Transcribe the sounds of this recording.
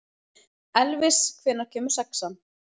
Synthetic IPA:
ɛlvɪskʰvɛːnːaɾ̥cʰɛːmʏ̥sɛksan

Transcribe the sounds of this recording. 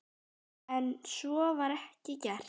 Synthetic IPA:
ɛnsɔvaɾɛhcɪcɛr̥

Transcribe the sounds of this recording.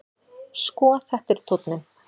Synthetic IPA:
skɔːθɛht̪ɪɾ̥t̪ʰot̪nʏm

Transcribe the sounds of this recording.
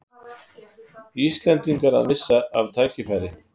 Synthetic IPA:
iːst̪lɛnt̪iŋkaɾa̰ðmɪsːaavt̪ʰaːcɪfajɾɪ

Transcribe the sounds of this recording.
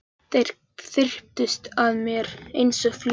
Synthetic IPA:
θeɾ̥ | θɪr̥p̚t̪ʏst̪aðmjɛɾejnsɔfl

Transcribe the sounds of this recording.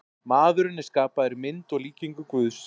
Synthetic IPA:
maːðʏɾɪnːɪskaːpaðɛɾɪmɪnt̪ɔɣliːciŋkʏkvʏðs

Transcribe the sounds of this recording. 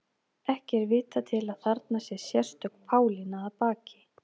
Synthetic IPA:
ɛhcɛɾvɪːt̪at̪ʰɪlaðθaɾt̪nasjɛsjɛr̥st̪ʏkpʰaːwlinaːðpaːcɪ̥

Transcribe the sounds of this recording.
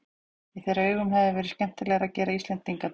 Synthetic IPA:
iθɛɾaʏːɣʏmɦɛvðɪvɛːɾɪ̥scɛm̥t̪ɪlɛɣaɾacɛːɾaist̪lɛnt̪iŋka

